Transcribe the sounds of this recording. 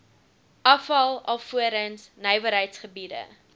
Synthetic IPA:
ʔɐfɐlˠɐlˠfuəɾənsnəjvəɾɦəjtsχəbidə̰

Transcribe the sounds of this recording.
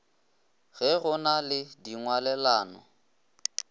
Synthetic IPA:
ɣɛɣʊnalɪdiŋwalɛlaːnɔ̰

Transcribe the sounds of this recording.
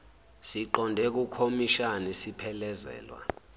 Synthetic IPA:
siǃɔndʱɛk̬ukʰomiʃanisipʰɛlɛzɛ̰ːlwa̰

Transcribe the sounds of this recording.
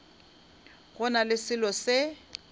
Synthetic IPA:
ɣʊnalɪsɪlɔsɪ

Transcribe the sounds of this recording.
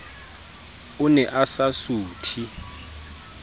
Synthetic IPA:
ʊnɛʔasasuːtʰi

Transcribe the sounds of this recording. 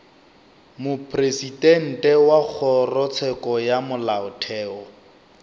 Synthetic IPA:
mʊpʰʼresitɛn̩tʼɛwak͡xʰɔrɔt͡sʰɛkɔjamʊlaʊtʰɛːɔ

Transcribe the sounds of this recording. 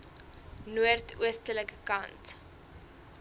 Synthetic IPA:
nuərtuəstələkəkɐnt

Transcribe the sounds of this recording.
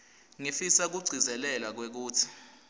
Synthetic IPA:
ŋifisak̬uɡ͡ǀʱizɛlɛlwak̬wek̬uːtʰi̥

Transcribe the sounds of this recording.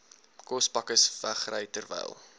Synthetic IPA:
kɔspɐkəsvæχrəjtərvɛ̰jlˠ

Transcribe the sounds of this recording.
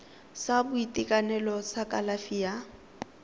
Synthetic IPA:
sabʊitʼikʼanɛlɔsakʼalafija

